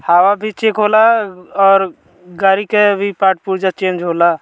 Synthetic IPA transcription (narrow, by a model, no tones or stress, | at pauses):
haːwabʱit͡ʃekɦolaɔːɾ | ɡaːɾikebʱipaːʈ̚puɾd͡ʒat͡ʃẽːnd͡ʒɦoːla